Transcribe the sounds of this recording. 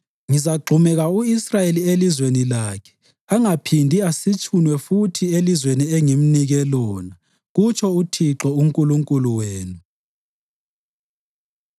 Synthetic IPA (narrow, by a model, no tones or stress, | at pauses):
ŋizaɡ͡ǃʱumɛɣauisrajelielizwenilaːkʰɛ̥ | aŋapʰindʱiasit͡ʃʰʼunwɛfutʰielizweniɛŋim̩niɣɛlɔːna | ɣut͡ʃʰɔutʰiǁɔuŋkʼuluŋkʼuluweːnu